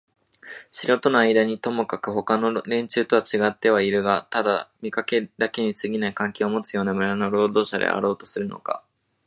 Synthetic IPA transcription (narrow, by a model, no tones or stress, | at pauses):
ɕiɾo̞t̪o̞noaid̪aɲ̟it̪o̞mo̞kakɯ̟ho̞kano̞ɾẽ̞ɲ̟t͡ɕɨːt̪o̞βat͡ɕiɡat̪ːe̞β̞aiɾɯ̟ɡat̪ad̪amʲikake̞d̪ake̞ɲ̟it͡sɨɡʲinaikãŋkʲeomo̞t͡sɨjo̞ːnamɯ̟ɾano̞ɾo̞ːd̪o̞ːɕad̪ḛa̰ɾo̞ːt̪o̞̥sɨɾɯ̟no̞̰ka̰